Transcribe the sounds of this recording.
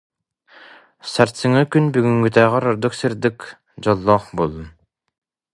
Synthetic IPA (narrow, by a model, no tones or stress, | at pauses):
saɾsɯŋɯkynbyɡyŋɡyt̪æːʁæɾɔɾd̪uksiɾd̪ik | d͡ʑɔlˠːɔːχbolˠun